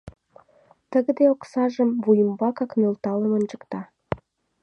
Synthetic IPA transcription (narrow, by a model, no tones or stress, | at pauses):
t̪əɣə̆d̪eoksɑʒəmvujəmbɑkɑknølt̪ɑləmə̆nʲt͡ʃəkt̪ɑ